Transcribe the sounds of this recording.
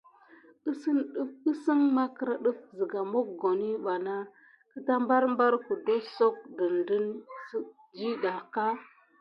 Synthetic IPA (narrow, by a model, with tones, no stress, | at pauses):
ə˦sə˦nɗə˦ə˦sə˦ŋma˦kə˨˦ɾa˦ɗə˦fzə˨ɡa˨mo˦k̚ɡo˨ni˦ɓa˨na˦ | kə˦ta˦mba˦ɾmba˦ɾku˨de˦so˦k̚də˨ndə˦ns | d͡ʒi˦ɗa˨ka˦